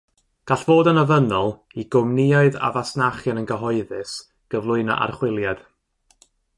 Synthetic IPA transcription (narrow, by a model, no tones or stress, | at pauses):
ɡ̥aɬv̥oːdənəvənɔlˠ | iɡʊmnɪɔɨða̰vasnaχjanənɡəɦɔɨðɨs | ɡ̥əvlˠʊɨnɔ̰ʔa̰rχwɪlˠjad̥